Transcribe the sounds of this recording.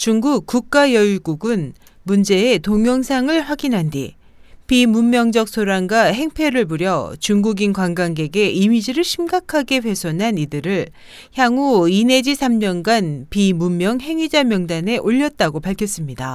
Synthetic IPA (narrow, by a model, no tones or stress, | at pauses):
t͡ɕuŋɡukk͈ːuk̚k͈ajʌiɡuɡɯn | mund͡ʑe̞ːtoŋjʌŋsʰaŋɯɭɸwaɡinɦandḭ | pimumːjʌŋd͡ʑʌk̚s͈ʰoɾanɡwaɦe̞ŋpʰe̞ɾɯɭbuɾjʌt͡ɕuŋɡuɡinkwanɡanɡe̞ɡe̞imid͡ʑiɾɯɭɕʰimɡakʰaɡe̞ɸe̞sʰʌnɦanidɯɾɯɭ | çjaŋuine̞d͡ʑisʰamɲʌnɡanpimumːjʌŋɦe̞ŋɥid͡ʑamjʌŋdane̞ʔoʎːʌt̚t͈aɡopaɭkʰjʌs͈ɯmɲida